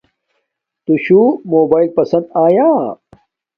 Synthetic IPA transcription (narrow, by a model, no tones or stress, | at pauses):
t̪uɕumoːbaːilpɐsɐ̃nd̪aːjaː